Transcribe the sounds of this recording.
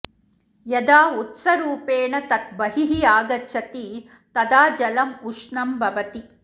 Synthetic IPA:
jɐd̪aːut̪sɐɾuːpeːɳɐt̪ɐt̪̚bɐɦiɦiaːɡɐtːʃʰɐt̪i | t̪ɐd̪aːd͡ʒɐlɐmuʂɳɐmbʱɐʋɐt̪i

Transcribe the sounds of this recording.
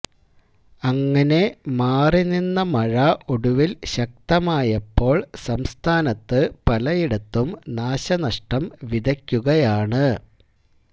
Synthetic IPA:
ɐŋːɐne̞maːrininːɐmɐɻɐʔoɽuʋilɕɐk̚t̪ɐmaːjɐpːo̞ːɭsɐmst̪ʰaːnɐt̪ːɨpɐlɐjiɽɐt̪ːumnaːɕɐnɐʂʈɐmʋid̪ʱɐkʲːuɣɐjaːɳɨ

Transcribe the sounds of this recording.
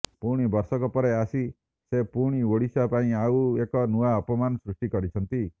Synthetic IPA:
puɾɽ̃ibɔɾsɔkɔpɔɾeasi | sepuɾɽ̃ioɽisapaĩauekɔnuaɔpɔmanɔsɾusʈikɔɾit͡ʃʰɔnt̪i

